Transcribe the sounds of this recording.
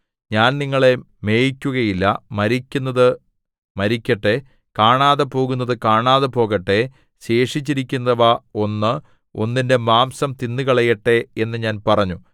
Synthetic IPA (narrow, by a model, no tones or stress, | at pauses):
ɲaːnniŋːɐɭe̞ | me̞ːjikʲːuɣɐjilːɐ̰mɐɾikʲːunːɐðɨ | mɐɾikʲːɐʈːe | kaːɳaːðɐpo̞ːɣunːɐðɨkaːɳaːðɐpo̞ːɣɐʈːe̞ | ɕe̞ːʂit͡ɕːiɾikʲːunːɐʋɐo̞nːɨ | o̞̰nːinde̞maːmsɐmt̪inːɨkɐɭɐjɐʈːe̞enːɨɲaːnpɐrɐɲːu